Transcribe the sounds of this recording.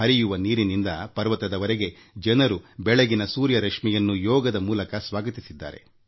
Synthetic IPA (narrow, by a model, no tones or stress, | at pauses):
ɐɾijuʋɐniːɾinind̪ɐpɐɾʋɐt̪ɐd̪ɐʋɐɾeɡe̞ | d͡ʒɐnɐɾubɛɭeɡinɐsuːɾjɐɾɐkʂmijɐnːujɔːɡɐd̪ɐmuːlɐkɐsʋaːɡɐt̪isid̪ːa̰ːɾe̞̰